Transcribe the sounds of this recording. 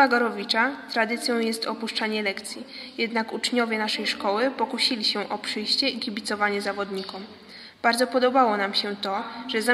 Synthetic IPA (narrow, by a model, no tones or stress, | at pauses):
aɡɔɾɔvʲit͡ʂat̪ɾad̪ɘt̪sʲjɔ̃w̃jɛst̪ɔpuʂt͡ʂaɲɛlɛkt̪sʲjijɛd̪nakut͡ʂɲɔvʲjɛnaʂɛjʂkɔwɘpɔkuɕilʲiɕɛʔɔpʂɘjɕt͡ɕɛiɡʲibʲit̪sɔvaɲɛzavɔd̪ɲikɔm | b̥aɾd̪zɔpɔd̪ɔbawɔnamɕɛt̪ɔʐ̥ɛza